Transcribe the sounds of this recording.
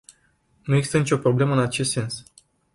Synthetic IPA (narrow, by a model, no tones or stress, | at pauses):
nueɡzist̪ənit͡ʃʲo̞pɾo̞ble̞məɨnat͡ʃe̞st̪se̞ns